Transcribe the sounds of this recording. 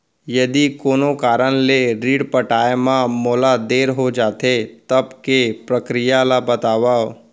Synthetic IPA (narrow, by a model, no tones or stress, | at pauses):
jɐd̪ikoːnokaːɾənleɾiːɽpəʈaːemãmɔːlad̪eːɾɦod͡ʒaːt̪et̪ɐbkepɾəkɾɪjalabɐt̪aːʋao